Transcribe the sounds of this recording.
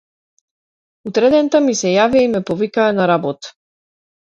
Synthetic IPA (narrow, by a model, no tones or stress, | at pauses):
ut̪ɾɛd̪ɛnt̪amisɛjaviaimɛpɔvikaːnaɾabɔt̪